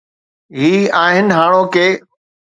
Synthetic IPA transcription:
ɦiːaːɦɪnɦaːɽ̃okeː

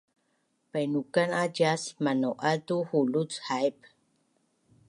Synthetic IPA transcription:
pajnukanad͡ʒasmanoʔat̪uhulut͡shajp

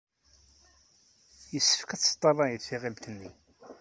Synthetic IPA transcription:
jəsːə̥fkæt͡sːə̥t̪ˤːɑrˤɑjət͡sːiʁilt̪ənːi

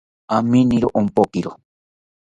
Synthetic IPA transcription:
aminiɾoʔompokiɾo

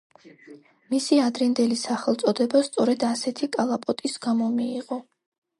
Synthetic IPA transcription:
misiad̪ɾɛnd̪ɛlisaχɛlˠt̪sʼɔd̪ɛbast̪sʼɔɾɛd̪asɛt̪ʰikʼalˠapʼɔt̪ʼisɡamɔmiːʁɔ

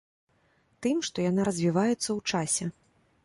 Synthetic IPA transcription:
t̪ɨmʂt̪ɔjanaɾɐzʲvʲivajɛt̪sːɐwt͡ʂasʲɛ

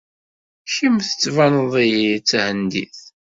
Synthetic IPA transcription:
ʃimθət͡sːvænəðˤijit͡sːʕənd̪ḭθ

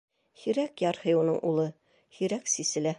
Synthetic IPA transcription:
hiɾækjɑɾhɤjunɤɴʔulˠɤ | hiɾæksisɘ̆læ

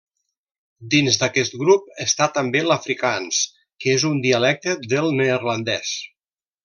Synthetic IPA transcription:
d̪inzd̪əkɛst̪̚ɡɾup̚əst̪at̪əmbeləfɾikans | kəezund̪iəlɛk̚t̪əd̪əlˠnerlənd̪ɛs

